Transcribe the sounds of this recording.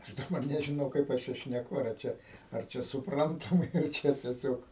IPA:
ɐʃ dɐˈbɐr nʲɛʒʲɪˈnɐʊ kɐɪp ˈɐʃ ˈt͡ʃʲɛ ʃʲnʲɛˈkʊ ɐr ˈt͡ʃʲɛ ɐr ˈt͡ʃʲɛ sʊpˈrɐntɐmɐɪ ɐr ˈt͡ʃʲɛ tʲiɛˈsʲoːk

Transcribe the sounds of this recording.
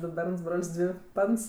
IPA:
ˈdʊ ˈbʲɛrns ˈbroːlʲsʲ ˈdʲʋʲɪ ˈpɐns

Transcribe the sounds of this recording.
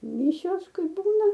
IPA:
ˈmʲɪʃʲoːs ˈkɐɪ ˈbuːnɐ

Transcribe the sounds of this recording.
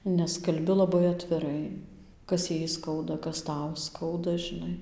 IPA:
nʲɛs kɐlʲˈbʲɪ lˠɐˈbɐɪ ɐtʲʋʲɪˈrɐɪ ˈkɐs ˈjɛɪ ˈskɐʊdɐ ˈkɐs ˈtɐʊ ˈskɐʊdɐ ʒʲɪˈnɐɪ

